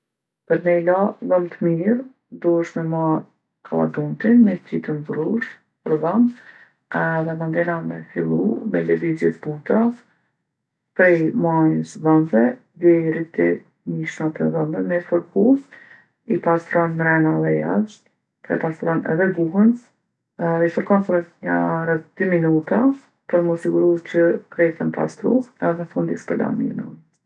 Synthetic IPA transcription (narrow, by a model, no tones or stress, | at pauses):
pəɾmɛjlaðəmt̪əmiɾ | d̪uəʃmɛmaɾ | kʰalˠa̰d̪unt̪inmɛt̪it̪ənbɾuʃ | pəɾðəm | ɛðɛmand̪ɛnamɛfilˠumɛlɛvizjɛt̪but̪a | pɾɛjmajəsðənðɛ | vɛɾit̪ɛ | miʃmat̪əðəndɛmɛfɔɾkus | ipast̪ɾɔnmɾɛnaðɛjaʃt̪ | pɛ̰past̪ɾɔnɛ̰ðɛɡuɦəns | ifɔɾkɔnpəɾɛt̪ɲaɾətd̪̥yminut̪a | pəɾməsiɡuɾut͡ʃəkɾɛt̪ɛmpa̰st̪ɾuɛɛɛfund̪ispəɾd̪a̰mḭnun